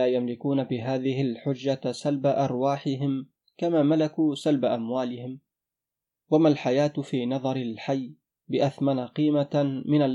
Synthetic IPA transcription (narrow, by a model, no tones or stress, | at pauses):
aːjamlɪkuːnabɪɦaːðɪhɪlħʊd͡ʒːasalbaʔɑɾˤwaːħɪɦɪm | kamaːmalakuːsalbaʔamwaːlɪhɪm | wamalħajaːt̪fiːnɑðˤɑɾɪlħajː | bɪʔaθmanaqiːmamɪnal